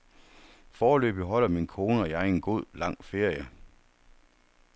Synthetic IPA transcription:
fɒːlø̰ːb̥iɦɒ̽l̰ɐminkʰo̝ːnəɒ̽jɑe̝nɡ̥o̝ð̰ˠlɑ̈ŋ̰fe̝ɐ̰jə

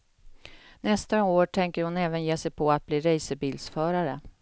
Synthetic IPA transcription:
nɛst̪aoːʈʰɛŋkəɾhʊnɛːvənjeːsɛjpʰɔat̪̚bliːɾɛjsəbiːld̪sfœːɾaɾə

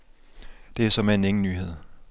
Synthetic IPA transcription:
d̥e̝æɐsɒ̽meneŋn̩nyːhe̝ð̞̰ˠ

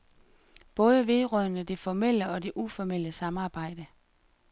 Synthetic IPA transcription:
b̥ɔ̽ːð̞ˠəʋe̝ðˠʁœnəd̥e̝fɒmel̰əɒ̽d̥e̝ʔufɒmel̰əsɑ̈mɑ̈ːb̥ɑ̈ɪ̰d̥ə

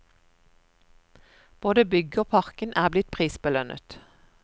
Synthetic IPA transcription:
b̥oːd̪əbʏɡəoːpʰɑʁkənʔæːblɪt̪̚pʰʁiːsbəlœnʔə̰t̪

